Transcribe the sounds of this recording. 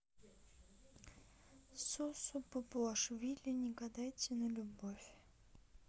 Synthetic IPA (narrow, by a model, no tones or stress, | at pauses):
sosʊpʊplˠaʂvʲilʲɪnʲɪɡɐd̪ajtʲɪnəlʲʊbofʲ